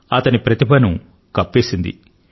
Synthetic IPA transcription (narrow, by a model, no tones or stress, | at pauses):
ɐt̪ɐnipɾɐt̪ibɐnu | kɐpːeːsind̪ḭ